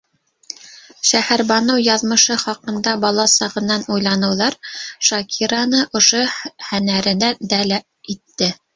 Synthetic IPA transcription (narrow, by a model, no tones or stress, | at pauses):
ʃæhæɾbɑnɤwjɑðmɤ̆ʃɤχɑqɤ̆nd̪ɑbɑlˠɑsɑʁɤ̆nːɑnujlˠɑnɤ̆wðɑɾʃɑkʰiɾɑnɤʔŏʃohænæɾɘ̆næd̪ælæ | it̪ːɘ